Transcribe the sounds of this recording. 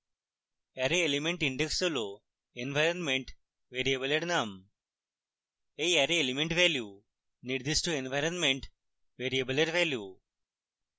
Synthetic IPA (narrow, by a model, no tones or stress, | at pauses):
ɐɾeelimeɳʈiɳɖeksulo | enʋɐjɾɐnmeɳʈ | ʋeːɾijɐbɐleɽnaːm | ejɐɾeːlimeɳʈʋeːlju | niɾd̪isʈuenʋɐjɾɐnmeɳʈ | ʋeːɾijɐbɐleɾʋeːlju